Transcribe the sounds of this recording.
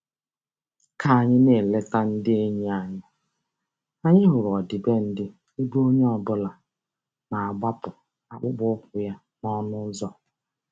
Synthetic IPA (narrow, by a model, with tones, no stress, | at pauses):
kʰa˨a˨ɲɪ˦ne˨le˦ta˦n̩˦dɪ˦e˦ɲe˦a˨ɲɪ˦ | a˦ɲɪ˦ɦʊ˨ɾɔ˨dɪ˨be˦n̩˦dɪ˦ | i˦bu˦o˦ɲe˦ɔ˨bʊ˦la˨ | na˨a˨ɡ͡ba˦pʊ˨ | a˨k͡pʊ˦ɡ͡bʊ˦ʊ˦kʷʊ˨ja˦ | nɔ˦nʊ˦zɔ˦